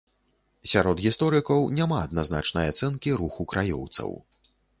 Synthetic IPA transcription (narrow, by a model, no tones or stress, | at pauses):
sʲaɾɔd̪ɣʲist̪ɔɾɨkɐwnʲamaɐd̪nazna̰t͡ʂnɐjat̪sɛnkʲiɾuxukɾajɔ̰wt̪sɐ̰w